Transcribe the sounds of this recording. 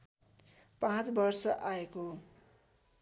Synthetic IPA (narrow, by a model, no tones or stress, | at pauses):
pãt͡sbʌrsʌʔaeko